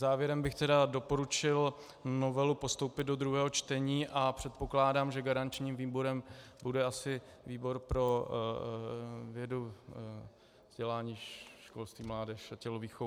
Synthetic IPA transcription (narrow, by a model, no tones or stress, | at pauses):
zaːvjɛɾɛmbɪxt̪ɛdado̞po̞ɾut͡ʃɪl | no̞vɛlupo̞st̪o̞wpɪd̪̚do̞d̪ɾuɦɛːɦo̞t͡ʃt̪ɛɲiːʔapr̝̥ɛt̪̚po̞klaːdaːmʒɛɡaɾant͡ʃɲiːmviːboɾɛmbudɛasɪ | viːbo̞ɾpɾo̞ | vjɛdu | vz̥ɟɛlaːɲiːʃkolst̪viːmlaːdɛʃacɛloviːxo